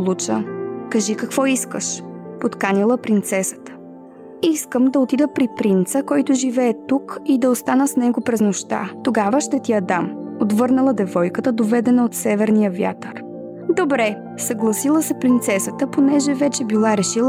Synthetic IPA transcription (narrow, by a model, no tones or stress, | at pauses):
lˠut͡ʃəkɐʒikɐkvɔiskəʃpot̪kanilˠəpɾint̪sɛsə̥t̪ə̥ | iskəmd̪ɐot̪id̪əpɾipɾint̪səkɔjt̪ʊʒivɛːt̪ukid̪ɐost̪anəsnɛɡopɾɛznoʃt̪a̰t̪oɡavəʃt̪ɛt̪ijɐd̪amot̪vɤɾnɐlˠəd̪ɛvɔjkət̪əd̪ovɛd̪ɛnəot̪sɛvɛɾnijəvja̰t̪əɾ | d̪obɾɛ | sɐɡlˠɐsilˠəsɛpɾint̪sɛsət̪əponɛʒɛvɛt͡ʃɛbilˠaɾɛʃilˠ